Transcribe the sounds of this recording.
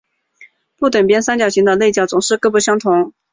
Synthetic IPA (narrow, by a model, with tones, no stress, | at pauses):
pu˥˩t̪wə˨˩npjɛ˥nsa˥nt͡ɕjɑ˨˩ʊɕi˧˥ŋd̪ə˧le˥˧ɪt͡ɕjɑ˨˩ʊt͡sʊ˨˩ŋʂɻ̩˥˧kɤ˥˧˥pu˥˩ɕjɑ˥ŋt̪ʰʊ˧˥ŋ